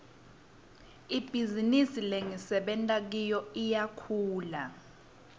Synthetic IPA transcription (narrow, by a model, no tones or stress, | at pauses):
ib̥ʱizinisileŋisɛɓɛntʼak̬ijɔijakʰuːla